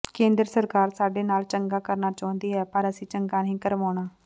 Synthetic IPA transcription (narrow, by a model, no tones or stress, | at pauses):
kẽːnd̪ɾəsəɾkaːɾsaːɖeːnaːlt͡ʃəŋɡaːkəɾnaːt͡ʃaːʊ̃nd̪iːɛːpəɾəsĩːt͡ʃəŋɡaːnĩːkəɾʋaːɽ̃aː